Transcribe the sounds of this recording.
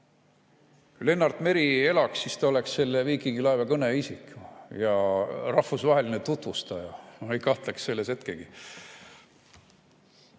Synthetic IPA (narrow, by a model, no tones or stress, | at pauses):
kujle̞nːɑrd̪̥ˑme̞ɾie̞lɑksːist̪ɑole̞ksse̞lːeviːkˑiɡilɑevekɤneisikˑjɑrɑhfusvɑɦe̞linet̪ut̪vust̪ɑjɑejkɑht̪leksse̞lːese̞t̪keɡ̥i